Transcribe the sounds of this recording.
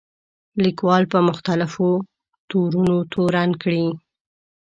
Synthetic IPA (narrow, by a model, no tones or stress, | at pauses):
likwɑlpəmʊxt̪alɪfo | t̪oɾunot̪oɾankɽi